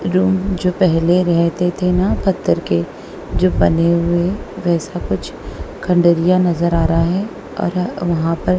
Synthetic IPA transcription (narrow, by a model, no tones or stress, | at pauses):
ɾuːmd͡ʒoːpɛɦleɾɛɦt̪et̪ʰenapɐt̪ːəɾke | d͡ʒoːbɐneɦʊeʋɛːsakʊt͡ʃʰkʰɐ̃ɳɖəɾijanɐzəɾaːɾaɦɛː | ɔ̰ːɾʋɐɦãpɐɾ